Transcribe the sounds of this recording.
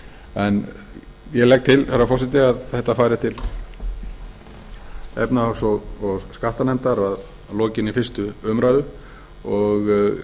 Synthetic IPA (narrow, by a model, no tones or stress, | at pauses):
ɛn | jɛlɛk̚t̪ʰɪlθɛɾafɔrsɪt̪ɪaðθɛht̪afaːjɾɪt̪ʰɪl | ɛ̰pnaɔsɔɔɣskaht̪anɛmt̪aɾað | lɔːcɪnifɪr̥st̪ʏʏmɾaːjðʏ | ɔɣ